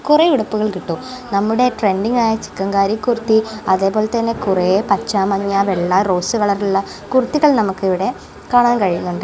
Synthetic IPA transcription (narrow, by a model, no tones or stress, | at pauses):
kureiɽɐpːuɣɐɭkiʈːu | nɐmːuɽe̞ʈre̞nɖiŋɡaːjɐt͡ɕi̥kːɐŋɡaːɾikːurut̪ːiɐðe̞ːpo̞ːle̞t̪ɐnːe̞kurepɐt͡ɕːaːmɐɲːɐʋeɭːɐro̞ːsɨʋɐɭɐrilːɐ | kurut̪ːiɣɐɭnɐmukːɨiʋiɽe̞ | kaːɳaːnkɐɻijunːuɳɖɨ